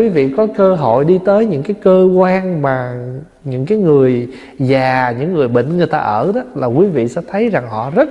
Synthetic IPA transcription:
wi˨˦vḭ˧˨kɔ˨˦kəː˧ɦo̰˧˨jɗi˧t̪əː˨˦jɲɨ̰˧˥ŋkaː˨˦jkəː˧kwaː˧ŋmaː˨˩ | ɲɨ̰˧˥ŋkaː˨˦jŋɨ˨˩əj | zaː˨˩ɲɨ̰˧˥ŋːɨ˨˩əjɓḭ̈˧˨ŋ̟ŋɨ˨˩əjt̪a̰ː˧ʔəː˧˩ɗɔ˨˦laː˨˩kwi˨˦vḭ˧˨sɛ̰˧˥t̪ʰə˨˦jza˨˩ŋɦɔ̰˧˨zə˦˥t̚

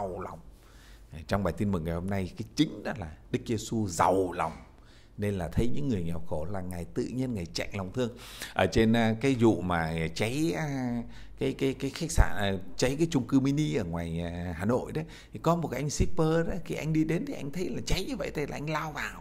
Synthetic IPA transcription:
wla˨˩wŋ͡m | t͡ɕɔ˧ŋ͡mɓaː˨˩jt̪i˧nmɨ˨˩ŋːa˨˩jho˧mna˧jkaː˨˦jt͡ɕï˨˦ŋ̟ɗɔ˨˦laː˨˩ɗɨ˦˥k̚ze˧su˧za˨˩wla˨˩wŋ͡m | ne˧nlaː˨˩t̪ʰə˨˦jɲɨ̰˧˥ŋːɨ˨˩əjŋɛ˨˩wxo˧˩laː˨˩ŋaː˨˩jt̪ɨ̰˧˨ɲi˧ənŋaː˨˩jt͡ɕa̰˧˨jŋ̟la˨˩wŋ͡mt̪ʰɨ˧əŋʔəː˧˩t͡ɕe˧n˧kaː˨˦jzṵ˧˨maː˨˩˨t͡ɕa˨˦j | kaː˨˦jkaː˨˦jkaː˨˦jxa˦˥k̟̚sa̰ː˧˩n˨˩t͡ɕa˨˦jkaː˨˦jt͡ɕʊ˧ŋ͡mkɨ˧mi˧ni˧ʔəː˧˩ŋwaː˨˩jhaː˨˩no̰˧˨jɗ̪ə˨˦t̪ʰi˨˩kɔ˨˦mo˨˩t̚ka˨˧˦ʔa˧ŋsi˦˥pəː˧ɗɔ˨˦ki˧˩ʔa˧jŋ̟ɗi˧ɗe˨˦nt̪ʰi˨ʔa˧jŋ̟t̪ʰə˨˦jlaː˨˩t͡ɕa˨˦jɲɨ˧və̰˧˨jt̪ʰə˨˧jlaː˨˩ʔa˧jŋ̟laː˧wvaː˨˩w

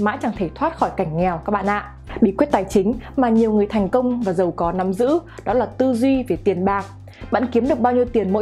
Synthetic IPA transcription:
ma̰ː˧˥t͡ɕa˨˧˩ŋt̪ʰe˧˩t̪ʰwaː˦˥t̚xɔ˧˩jka˧˩jŋ̟ŋɛ˨˩wka˦˥k̚ɓa̰˧ʔa̰ː˧˨ʔ | ɓḭ˧˨kwi˦˥t̚t̪aː˨˩jt͡ɕï˨˦ŋ̟maː˨˩ɲi˨˩əwŋɨ˨˩əjt̪ʰɛ˨˩jŋ̟kə˧wŋ͡mvaː˨˩zə˨˩wkɔ˨˦na˨˦mzɨ̰˧˥ɗɔ˨˦laː˨˩t̪ɨ˧zwi˧ve˨˩t̪i˨˩ənɓaː˨˩k̚ | ɓa̰ː˧˨nki˨˦mɗɨ˨˩ək̚ɓaː˧wɲi˧əwt̪i˨˩ənmo̰˧˥

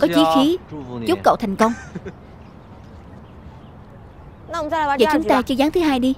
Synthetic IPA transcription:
kɔ˨˦t͡ɕi˨˦xi˨˦t͡ɕʊ˦˥k͡p̚kːə̰˧˨t̪ʰɛ˨˩jŋ̟kə˧wŋ͡m | və̰˧˨˩t͡ɕʊ˧˨˦ŋ͡mt̪aː˧t͡ɕɨ˧zaː˨˦ŋt̪ʰɨ˨˦ɦaː˧jɗi˧

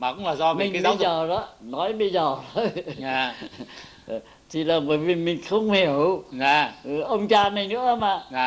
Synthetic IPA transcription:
maː˨˩kʊ̰˧˥ŋ͡mlaː˨˩zɔ˧m˨mï˨˩ŋː˨˦ɓə˧˦jzəː˨˩zɔ˨˦nɔ˨˦jɓə˧jzəː˨˩t̪ʰo˧˦jɲaː˨˩˨ | t̪ʰi˨˩laː˨˩ɓəː˧˩jvi˨˩mï˨˩ŋ̟xə˧wŋ͡mhi˨˩əwɲaː˨˩˨ʔə˧wŋ͡mt͡ɕaː˧nə˨˩jnɨ̰˧˥əmaː˨˩˨

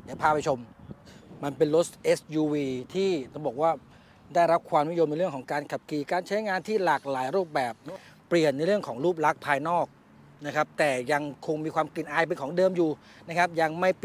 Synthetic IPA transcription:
jaː˨˩pʰaː˧˩pʰa˧jt͡ɕʰo˧m | ma˧npe˧nlo˦˥sʔe˦˥sjuː˧wiː˧t̪ʰiː˥˩bɔː˨˩k̚waː˥˩ | da˥˩jɾa˦˥p̚kʰwaː˧mn˦˥˨jo˧mn˧jɾɯ˥˩əŋkʰɔ˩˦ŋkaː˧nkʰa˨˩p̚kiː˨˩kaː˧nt͡ɕʰa˦˥jŋaː˧nt̪ʰiː˥˩laː˨˩k̚laː˩˦jɾuː˥˩p̚bɛː˨˩p̚ː | li˨˩ənːa˧jɾɯ˥˩əŋkʰɔː˩˦ŋɾuː˥˩p̚la˦˥k̚pʰaː˧jnɔː˥˩k̚ | na˦˥kʰa˦˥p̚t̪ɛː˨˩ja˧ŋkʰo˧ŋmiː˧kʰwaː˧mkli˨˩nʔaː˧jpe˧nkʰɔː˩˦ŋdɤː˧mjuː˨˩ | na˦˥kʰa˦˥p̚ja˧ŋma˥˩j

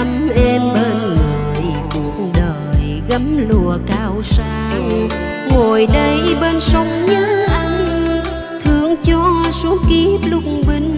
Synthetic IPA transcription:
mʔɛ˧mɓeː˧nŋɨ˨˩˨jku˨˩ək̚ɗəː˨˩j | ɣə˨˦mlu˧˩˨əkaː˧˩wsaː˧w | ŋo˨˩jɗə˧jɓe˧nsə˧wŋ͡mɲɨ˧˥ʔa˧ŋ | t̪ʰɨ˧˨əŋt͡ɕɔ˧su˨˦ki˦p̚lʊ˧˥k͡p̚ŋ͡mɓi˧˩ŋ

